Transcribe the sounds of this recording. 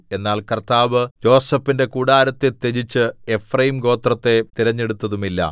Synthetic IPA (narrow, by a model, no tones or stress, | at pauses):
e̞nːaːɭkɐrt̪aːʋɨd͡ʑo̞ːsɐfːinde̞kuːɽaːɾɐt̪ːet̪ːed͡ʑit͡ɕːɨefrɐjimɡo̞ːt̪rɐt̪ːe̞t̪iɾɐɲːe̞ɽut̪ːɐðumilːɐ̰